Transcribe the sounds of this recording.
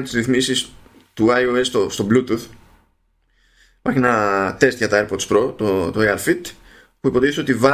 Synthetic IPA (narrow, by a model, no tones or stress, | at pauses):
t̪izɾiθmisis | t̪uɐioest̪ost̪o̞blut̪uθ | ipɐɾçienɐt̪e̞st̪ʝɐt̪ɐeɾpot̪spɾo̞t̪ot̪oejɐlfit̪ | puipo̞ðiθso̞t̪ivɐ